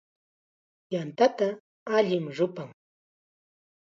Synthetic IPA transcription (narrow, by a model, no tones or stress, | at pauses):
jant̪at̪a | aʎɪmɾʊpaŋ